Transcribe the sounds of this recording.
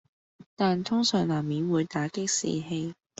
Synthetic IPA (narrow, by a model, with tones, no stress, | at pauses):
t̪aː˨nt̪ʰʊ˥ŋsœː˨˩ŋlaː˨˩mːiː˨˥nwuː˨˧jt̪aː˨˥kɪ˥k̚sḭː˨˩ɦe˧j